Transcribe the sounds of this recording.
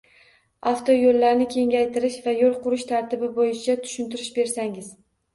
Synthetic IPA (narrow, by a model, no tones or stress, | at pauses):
aft̪ʰojolːaɾnɪkʲʰe̞ŋʲajt̪ʰɪɾɪʃvajolˠqʊɾɪʃt̪ʰaɾt̪ɪbɪbojɪt͡ʃʰat̪ʰʊ̥ʃɪnt̪ɪɾɪʃbe̞ɾsaŋɪz̥